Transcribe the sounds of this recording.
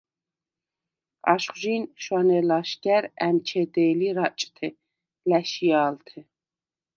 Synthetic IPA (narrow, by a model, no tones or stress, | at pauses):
a̰ʃχʒinʃwanɛlaʃɡæɾæmt͡ʃʰɛd̪ɛːliɾat͡ʃʼt̪ʰɛ | læʃijaːlt̪ʰɛ